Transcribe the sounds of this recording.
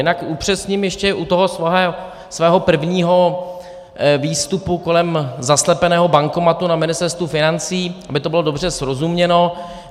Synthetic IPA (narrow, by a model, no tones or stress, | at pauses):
jɪnakʔupr̝̥ɛsɲimjɛʃcɛʔut̪oɦosɛː | svɛːɦo̞pr̩vɲiːɦo̞ | viːst̪upuko̞lɛmzaslɛpɛnɛːɦo̞baŋkomat̪unamɪnɪst̪ɛɾst̪vufɪnant͡siːʔabɪt̪obɪlo̞do̞br̝ɛsɾo̞zumɲɛno̞